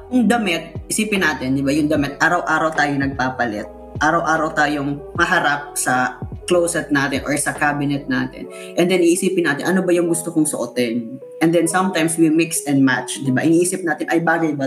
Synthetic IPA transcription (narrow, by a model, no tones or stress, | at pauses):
jʊŋd̪ɐmɪt̪̚ʔɪsiːpɪnːaːt̪ɪnd̪ɪbajʊŋd̪ɐmɛt̪̚ʔaːɾɐwʔaːɾɐwt̪aːjonɐɡ̚paːpɐlɛ̰t̪̚ | ʔaːɾɐwʔaːɾɐwt̪aːjoŋmɐɦɐɾap̚sɐklowsɛt̪̚naːt̪ɪnʔoɹsɐkaːbɪnɛt̪̚na̰ːt̪ɪ̰n | ʔɛnd̪ɛnʔiːʔɪsiːpɪnaːt̪ɪnʔɐno̞bɐjʊŋɡʊst̪okʊŋsoʔot̪ɛn | ʔɛnd̪ɛnsɐmt̪ajmswimɪksɛnmat̪t͡ʃd̪ɪba̰ʔɪniːsɪp̚naːt̪ɪnʔɐjbaːɡɐjbɐ